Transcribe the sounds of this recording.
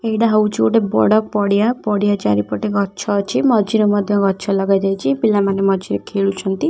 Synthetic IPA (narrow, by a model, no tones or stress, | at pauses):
eɦiɽaɦʌwt͡ʃoʈebɔ̰ɽʌkk̚pɔɽjapɔɽjat͡ʃa̰ɾipɔʈeɡʱʌtːt͡ʃʰʌt͡ʃʰimʌd͡ʒiɾomʌd̪ʱjʌɡʱʌtːt͡ʃʰɔlʌɡajɾajt͡ʃʰibilːamanemʌd͡ʒiɾekʰeɭut͡ʃʰʌnt̪i